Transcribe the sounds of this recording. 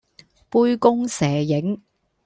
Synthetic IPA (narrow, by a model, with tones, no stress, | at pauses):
puː˥jkʊ˥ŋsɛː˨˩jɪ˨˥ŋ